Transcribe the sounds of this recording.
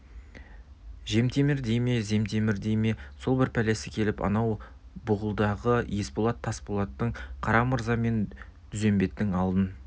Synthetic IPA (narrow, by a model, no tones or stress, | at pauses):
ʒe̞mt̪e̞mɪɾd̪e̞jme̞ze̞mt̪e̞mɪɾd̪e̞jme̞so̞lˠbɪɾpʰæle̞sɪkʲʰe̞lɪpɑ̰nɑw | bʊʁəlˠd̪ɑʁəjespolˠɑt̪ʰːɑsbolˠɑt̪ːəɴqʰɑɾɑməɾzɑme̞n | t̪ʰʏze̞mbe̞t̪ːɪŋɑlˠd̪ən